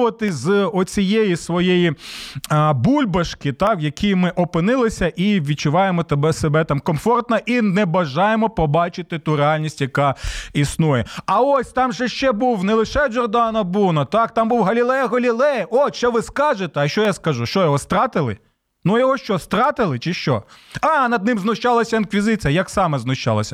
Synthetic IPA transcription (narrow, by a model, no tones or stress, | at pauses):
ʋɐt̪ɪzɔt͡sʲijejisʋɔjeji | bulʲbɐʃkɪt̪ɑkjɐkʰʲimɪʔɔpɪnɪlˠɪsʲɐʔiʋʲit͡ʃʊʋɑjemɔt̪ɐbɛsebɛt̪ɑmkɔmfɔrt̪nɐʔinɛbɐʒɑjemɔpɔbɑt͡ʃɪt̪ɪt̪uɾeɑlʲnʲisʲtʲjɐkɑisnujɛɐɔsʲt̪ɑmʒɛʃt͡ʃɛbuwnɛlˠɪʃɛd͡ʒɔrd̪ɑnɐbunɐt̪ɑkt̪ɑmbuwɦɐlʲilˠɛjɐɦɐlʲilˠɛjɐʔɔʃt͡ʃɔʋɪskɑʒet̪ɛɐʃt͡ʃɔjaskɐʒuʃt͡ʃɔjɔɦɔst̪ɾɑt̪ɪlˠɪ̰ | nujɔɦɔʃt͡ʃɔst̪ɾɑt̪ɪlˠɪt͡ʃɪʃt͡ʃɔ̰ɑnɐd̪̚nɪ̃mznʊʃt͡ʃɑlˠɐsʲɐinkʋʲizɪt͡sʲijɐjɐksɑmɛznʊʃt͡ʃɑ̰lˠɐsʲɐ